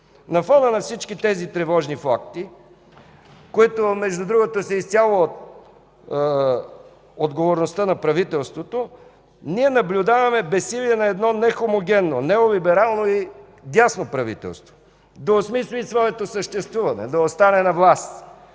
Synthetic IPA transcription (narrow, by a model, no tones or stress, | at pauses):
nɐfɔnənɐfsit͡ʃkit̪ɛzit̪ɾɛvɔʒnifak̚t̪i | koit̪omɛʒd̪ʊd̪ɾuɡot̪osɛist̪ʲjalˠot̪ | od̪ɡovoɾnost̪ənɐpɾɐvit̪ɛlˠst̪vot̪o | niɛnɐblʲʊd̪avɐmɛbɛsːilʲiɛnɐɛd̪nɔnɛxomoɡʲɛnːonɛolʲibɛɾalˠnoi | d̪jasnopɾɐvḭt̪ɛ̰lˠst̪vo̥ | d̪ɐosmislʲisvɔɛt̪osəʃt̪ɛst̪vuvɐnɛ̰d̪ɐost̪anɛnɐvlˠast̪